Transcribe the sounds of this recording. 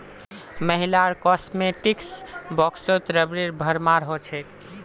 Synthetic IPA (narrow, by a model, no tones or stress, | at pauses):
məɦilaɾkɔsmeʈiksbɔksot̪ɾəbɾiɾbʱəɾmaɾɦot͡ʃʰɛt̪